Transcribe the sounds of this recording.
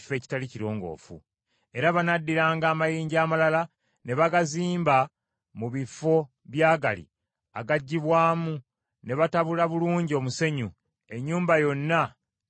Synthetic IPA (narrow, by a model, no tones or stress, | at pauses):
fe̞ːci̥taliciɾo̞ːŋɡo̞̰ːfṵ | e̞ɾaβanadːiɾaːŋɡaːmajiːɲɟiaːmalala | ne̞βaɡaziːmba | muβifo̞ | βjaːɡa̰lḭ | a̰ɡaɟːiβwaːmu | ne̞βataβulaβuluːɲɟio̞muse̞ɲu | e̞ɲːuːmbajo̞nːa